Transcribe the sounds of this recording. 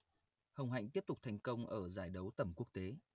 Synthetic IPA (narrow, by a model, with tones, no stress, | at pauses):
hə˨˩wŋ͡mɦa̰˧˨jŋ̟t̪i˦˥əp̚t̪k͡p̚t̪ʰɛ˨˩jŋ̟kə˧wŋ͡mʔəː˧˩zaː˧˩jɗə˨˦wt̪ə˧˩mku˦˥ək̚t̪e˨˦